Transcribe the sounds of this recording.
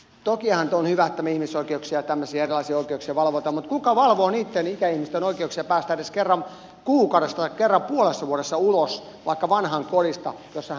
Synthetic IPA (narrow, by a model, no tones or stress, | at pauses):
t̪okiɑhɑnt̪onhyʋæet̪ːæmːæihmisoikeuksiɑjɑt̪æmːøsiɑerilɑisiɑoikeuksiɑʋɑlʋot̪ɑmut̪kukɑʋɑlʋoːniːt̪ːenikæihmist̪enoikeuksiɑpæːst̪æeɾeskerːɑm | kuːkɑuwɾest̪ɑt̪ɑkkerːɑmpuolesːɑʋuoɾesːɑulos | ʋɑikːɑʋɑnhɑŋkolist̪ɑ̰josːɑh